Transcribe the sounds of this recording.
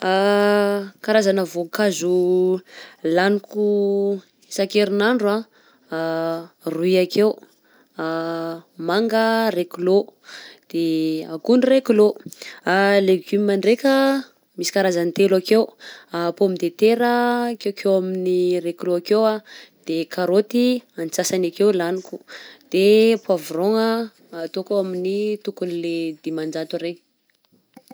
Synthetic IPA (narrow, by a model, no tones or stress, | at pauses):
a | kaɾazanəvokazu | laniku | sakeɾinaɳɖ͡ʐua | ruiakew | a | maŋɡərekulod̪̥eakunirekuloaleɡymimaɳɖ͡ʐekʲə | misi̥kaɾazant̪elakewapomid̪et̪eɾəkekʰewaminirekloakewad̪̥ekʰaɾot̪ianit͡sasanakewlaniku̥d̪̥epuavuroŋəː | t̪okoaminit̪ukunled̪̥emand͡ʒat̪uɾeɲ